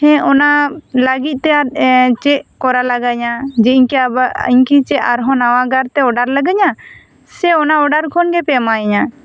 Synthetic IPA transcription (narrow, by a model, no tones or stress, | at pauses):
hɛ̃ɔnaləɡit̪̚ˀt̪ɛjaɾt͡ʃɛʔkɔɾalaɡaɲad͡ʒɛiɲkɛabaḭɲkit͡ʃɛʔaɾɦɔ̃nawaɡaɾt̪ɛɔɖaɾlaɡaɲa | sɛɔnaɔɖaɾkʰɔnɡɛpɛmaɛɲa